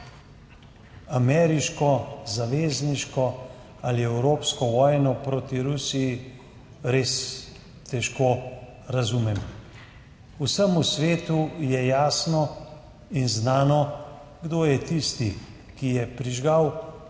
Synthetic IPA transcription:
amɛːɾiʃkɔzaʋeːzniʃkɔ | aliɛwɾoːpskɔʋɔːjnɔpɾoːt̪iɾusiji | ɾeːs | t̪ɛʃkoː | ɾazumɛm | usəmusʋeːt̪ujɛjaːsnɔ | inznaːnɔ | ɡd̪oːjɛt̪ist̪i | kijɛpɾiʒɡaw

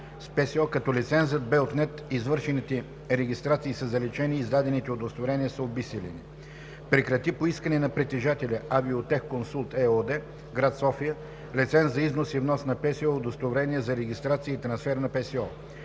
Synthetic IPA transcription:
spɛsiɔkɐt̪ɔlʲit̪sɛnzəd̪̚bɛot̪nɛt̪izvɤɾʃɛnit̪ɛ | ɾɛɡʲist̪ɾat̪siːsɐzɐlɛt͡ʃɛniːzd̪ad̪ɛnit̪ɛod̪ost̪voɾɛniəsɐobisɛlɛ̰ni | pɾɛkɾɐt̪ipoiskənɛnɐpɾɛt̪ɛʒat̪ɛlʲɐɐbiot̪ɛxkonsulˠt̪ɛɔd̪ɛ | ɡɾat̪sɔfiə | lit̪sɛnt̪zɐiznosivnɔsnɐpɛsiɔod̪ost̪ovɾɛniəzɐɾɛɡ̟ist̪ɾat̪siəit̪ɾɐnsfɛɾnɐpɛsiɔ

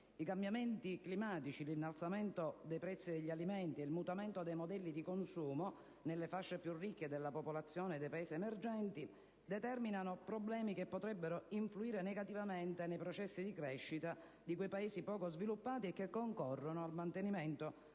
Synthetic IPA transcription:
ikambjament̪iklimaːt̪it͡ʃilinːalt̪samɛnt̪od̪ejpɾɛt̪sːid̪eʎːialimɛnt̪ielmut̪amɛnt̪od̪ejmod̪ɛlːid̪ikonsuːmo | nelːefaʃːepjurːikːed̪elːapopolat̪sːjɔːned̪ːejpaeːsiemerd͡ʒɛnt̪i | d̪ɛt̪ɛrminanopɾoblɛːmikepːot̪ɾɛbːeɾoiɱfluiːɾenɛɡat̪ivament̪enejpɾɔt͡ʃɛsːid̪ikɾɛʃːit̪a | d̪ikujpaeːsipɔːkozvilupːaːt̪iekːekːoŋkɔrːonoalmant̪enimɛnt̪o

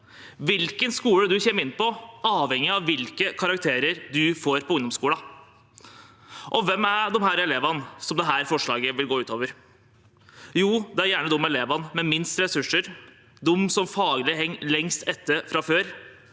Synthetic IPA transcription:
ʋɪlkənskuːɽəd̪ʉçeːməɪnːpɔʔɑːʋhɛŋːɪɑʋːɪlkəkʰɑɾɑkt̪ʰeːɾəɾd̪ʉfoːɾpʰɔʊŋd̪ɔmskuːlɑ | ʔɔʋɛmæd̪ɔmɦæːɾɛleːʋɑnsɔmd̪ɛɦæːɾfɔʂɭɑːɡəʋɪlɡoːʉːt̪oːʋəɾ | juːd̪ɛæɾjæːɳəd̪ʊmːɛleːʋɑnmɛmɪnst̪ɾɛsʉʂːəɾ | d̪ʊmːsɔmfɑːɡlɪɦɛŋːlɛŋst̪ɛt̪ːəɾfɾɑføːɾ

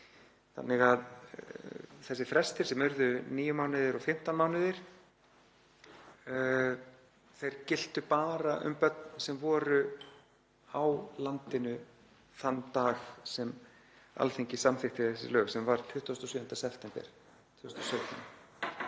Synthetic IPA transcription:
θa̰nːɪɣað | θɛsːɪfɾɛst̪ɪɾ̥sɛmʏɾðʏniːjʏmaːwnɪðɪɾɔɣfɪm̥t̪anmaːwnɪðɪɾ̥ | θejɾ̥cɪl̥t̪ʏpaːɾaʔʏ̰mpœt̪nsɛmvɔːɾʏ | awlant̪ɪnʏ | θanːt̪aːxsɛm | a̰lθejɲcɪsamθɪxt̪ɪθɛsːɪ̰lœːɣsɛmvaɾ̥t̪ʰvʏht̪ust̪ɔsʏːnt̪asɛft̪ɛmpɛ̰ɾ̥ | t̪ʰːst̪ɔsœːɥt̪ʰan

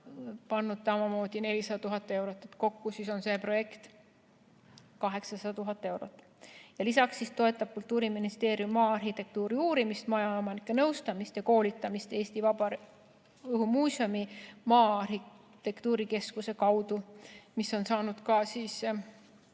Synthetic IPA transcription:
pɑnːud̪̥sɑmɑmo̞ːd̪̥ine̞lʲisɑd̪ɑt̪uɦɑt̪ːˑe̞wɾo̞t̪ːˑe̞t̪ko̞kːusiso̞nse̞pro̞je̞kt̪ | kɑɦe̞ksɑsɑd̪ɑt̪uɦɑt̪ːˑe̞wɾo̞̰t̪ˑː | jɑlisɑksːist̪o̞e̞t̪ːˑɑb̥̚kult̪ːuːɾiminist̪eːɾjumːɑːɑrhit̪e̞k̚t̪uːɾiuːɾimist̪mɑjɑomɑnikːˑe̞nɤwst̪ɑmist̪jɑko̞ːlʲit̪ːˑɑmist̪e̞ːst̪ivɑbɑ | ɤɦumuːsʲio̞mimɑːɑrhi | t̪e̞kt̪uːɾike̞skuse̞kɑwd̪̥umiso̞nsɑːnud̪̥kɑsiːs

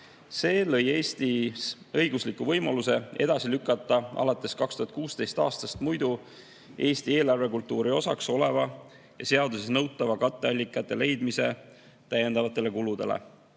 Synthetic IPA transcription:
se̞ːlɤ̞jeːst̪is | ɤjɡ̥uslikːˑuvɤjmɑluse̞e̞̰d̪ɑsilykˑːɑt̪ːˑɑɑ̰lɑt̪ːˑe̞skɑkst̪uɦɑt̪̚kuːst̪e̞jst̪ɑ̰ːst̪ɑst̪mujd̪̥u | e̞ːst̪ie̞ːlɑrve̞kult̪ːˑuːɾio̞sɑkso̞le̞vɑ | jɑse̞ɑd̪use̞snɤwt̪ːˑɑvɑkɑt̪ˑːe̞ɑlʲːikːˑɑt̪ːˑe̞le̞jd̪mise̞ | t̪æjːe̞nd̪̥ɑvɑt̪ːˑe̞le̞kulud̪̥e̞̰lḛ

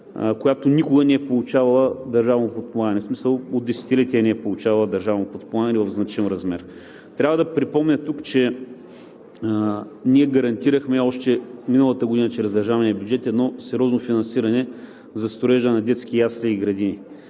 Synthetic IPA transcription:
kojat̪onʲikʊɡənɛɛpolˠut͡ʃavɐlˠəd̪ɐɾʒavnopot̪̚pomˠaɡənɛsmisəlˠod̪ːɛsɛ̥t̪ilɛt̪iɐnɛɛpolˠut͡ʃavɐlˠəd̪ɐɾʒavnopot̪̚pomˠaɡənɛvɐvznɐt͡ʃinɾɐzmɛɾ | t̪ɾʲavəd̪ɐpɾipɔmnʲət̪ukt͡ʃɛ | niɛɡɐɾɐnt̪iɾəxmɛɔʃt̪ɛminəlˠət̪əɡʊd̪inət͡ʃɾɛzd̪ɐɾʒavɐnɛbʲjud͡ʒɛt̪ɛːd̪nɔsɛɾʲɔznofinɐnsiɾɐnɛ | zɐst̪oɾɛʒənɐd̪ɛt̪skijasliːɡɾɐd̪ini

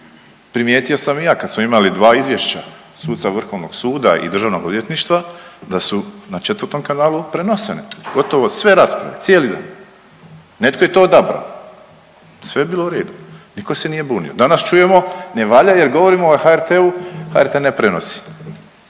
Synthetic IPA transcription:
pɾimjeːt̪io̞samijaːkad̪smoimalid̪ʋaːizʋje̞ʃt͡ɕa | suːd̪t̪saʋr̩xo̞ʋno̞ɡ̥suːd̪aʔḭd̪ɾr̩ʒaʋnoɡod̪jet̪niʃt̪ʋad̪asunat͡ʃet̪ʋəɾt̪o̞mkanaːlˠupɾenoseneɡ̥o̞t̪o̞ʋo̞sʋe̞ɾaːspɾa̰ʋe̞t̪sʲjelid̪a̰ːn | ne̞t̪koje̞t̪o̞d̪abɾa̰o | sʋeebiːlˠouɾe̞ːd̪uniko̞se̞nije̞buːnḭo̞d̪anast͡ʃuje̞mo̞ne̞ʋaʎaje̞ɾɡo̞ʋo̞ɾimoːxaeɾt̪euha̰eɾt̪enepɾenosi̥

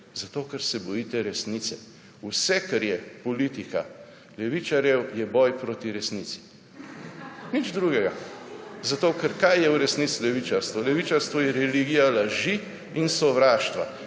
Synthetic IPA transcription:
zat̪okɛɾsɛbɔjiːt̪ɛɾɛsnit̪sɛ | usɛkɛɾjɛpɔlit̪ika | lɛʋit͡ʃaɾjɛwjɛbɔjpɾoːt̪iɾɛsnisi̥ | nid͡ʒd̪ɾuːɡɛɡazat̪okɛɾkajjɛwɾɛsnisilɛʋit͡ʃaɾst̪ʋɔlɛʋit͡ʃaɾst̪ʋɔjɛɾɛliɡijalaʒi | insɔʋɾaːʃt̪ʋa

